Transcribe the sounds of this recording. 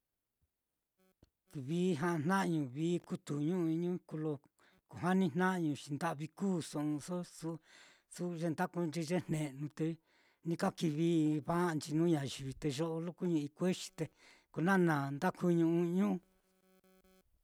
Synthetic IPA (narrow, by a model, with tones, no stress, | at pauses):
βiː˦ɦã˦˧n̥nã˦ʔɲũ˨βiː˦ku˦t̪u˨ɲũ˦˧i˧ɲũ˦ku˧lo˧ | ku˨ɦa˦nĩ˦˧n̥nã˦ʔɲũ˨t͡ʃi˧nd̪a˦ʔβi˧kuː˦˨sõ˨ũ˧so˦su˦ | su˦˧ʒe˧nd̪a˦ku˧nd͡ʒi˧ʒe˦n̥nẽ˨nũ˧t̪e˧ | nĩ˧ka˦ki˧βi˧βa˦˧nd͡ʒi˧nũː˦ɲã˨ʒi˨βi˨˧t̪e˧ʒo˦ʔo˧lu˦ku˦ɲũ˧i˧kʷe˦ʃi̥˧t̪e˧ | ko˧nã˦˨nã˨nd̪a˦kʰu˧ɲũ˧ʔũ˧ɲũ˦˧